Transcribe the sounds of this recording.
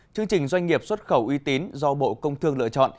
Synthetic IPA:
t͡ɕɨ˧əŋt͡ɕï˨˩ŋ̟zwa˧jŋ̟ŋi˨˩əp̚swə˦˥t̚xə˧˩wʔwi˧t̪i˨˦nzɔ˧ɓo̰˧˨kə˧wŋ͡mt̪ʰɨ˧əŋlɨ̰˧˨ət͡ɕɔ̰˧˨n

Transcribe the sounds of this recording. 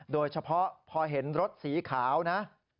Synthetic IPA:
doː˧jt͡ɕʰa˧pʰɔ˦˥pʰɔː˧ɦe˩˦nɾo˦˥t̪̚siː˩˦kʰaː˩˦wna˦˥ʔ

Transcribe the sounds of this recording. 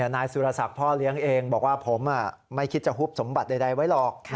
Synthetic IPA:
naː˧jsuː˧ɾa˧sa˨˩k̚pʰɔː˥˩li˦˥əŋʔeː˧ŋbɔː˨˩k̚waː˥˩pʰo˩˦mʔa˨˩ | ma˥˩jkʰi˦˥t̪̚t͡ɕa˨˩ɦuː˥˩p̚so˩˦mba˨˩t̪̚da˧jda˧jwa˦˥jlɔː˨˩k̚ːʰ

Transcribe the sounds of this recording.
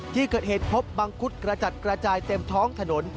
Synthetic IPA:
t̪ʰiː˥˩kɤː˨˩t̪̚heː˨˩t̪̚pʰo˦˥p̚ba˧ŋkʰu˦˥t̪̚kɾa˧t͡ɕa˨˩t̪̚kɾa˧t͡ɕaː˧jt̪e˧mt̪ʰɔː˦˥ŋt̪ʰa˧no˩˦n

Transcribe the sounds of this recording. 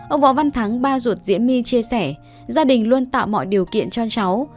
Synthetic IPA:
ʔə˧wŋ͡mvɔ̰˧˥wva˧nt̪ʰa˨˦ŋɓaː˧zu˨˩ət̚zḭ˧˥ənmi˧t͡ɕi˧əsɛ˧˩ | zaː˧ɗï˨˩ŋ̟lu˧ənt̪a̰ː˧˨wmɔ̰˧˨jɗi˨˩əwkḭ˧˨ənt͡ɕɔ˧t͡ɕa˨˦w

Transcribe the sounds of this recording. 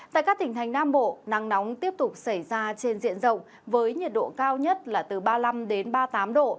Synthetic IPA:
t̪a̰ː˧˨jkaː˦˥k̚t̪ï˨˩ŋ̟t̪ʰa˨˩jŋ̟naː˧mɓo̰˧˨na˨˦ŋnɔ˨˦wŋ͡mt̪i˦˥əp̚t̪ʊ˨˩k͡p̚sa˧˩jzaː˧t͡ɕe˧nzḭ˧˨ənzə̰˧˨wŋ͡m | vəː˨˦jɲi˨˩t̚ɗo̰˧˨kaː˧wɲə˦˥t̚laː˨˩t̪ɨ˨˩ɓaː˧la˧mɗe˨˦nɓaː˧t̪aː˨˦mɗo̰˧˨

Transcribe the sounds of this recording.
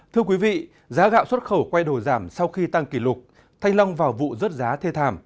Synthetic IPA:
t̪ʰɨ˧əkwi˨˦vḭ˧˨ | zaː˨˦ɣa̰ː˧˨wswə˦˥t̚xə˧˩wkwa˧jɗo˨˧˩zaː˧˩msa˧wxi˧t̪a˧ŋki˧˩lʊ˨˩k͡p̚ | t̪ʰa˧jŋ̟la˧wŋ͡mvaː˨˩wvṵ˧˨zə˦˥t̚zaː˨˦t̪ʰe˧t̪ʰaː˧˩m

